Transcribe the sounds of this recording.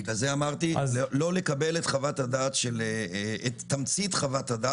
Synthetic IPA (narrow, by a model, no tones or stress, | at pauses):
ɡazeamaʁt̪ilo̞le̞kabe̞let̪χavatadaːtʃeletːamt͡sit̪χavatada